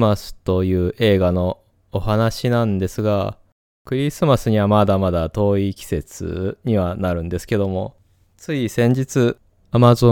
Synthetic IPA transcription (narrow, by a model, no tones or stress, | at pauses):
asɨ̥t̪o̞jɯ̟ːʔe̞ːɡano̞ː | hanaɕinãnd̪e̞sɨɡa | kɯ̟ɾʲisɨmasɨɲ̟iβamad̪amad̪at̪o̞ːikʲi̥se̞t͡sɨ̰ɲ̟iβanaɾɯ̟̃nd̪e̞sɨ̥ke̞d̪o̞mo̞ | t͡sɨisẽ̞ɲ̟d͡ʑit͡sɨ | amazo